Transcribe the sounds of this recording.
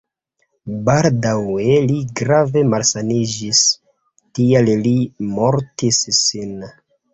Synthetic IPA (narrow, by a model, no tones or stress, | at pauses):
baldaweliɡɾave̞malsanid͡ʒis | tiallimoɾtissin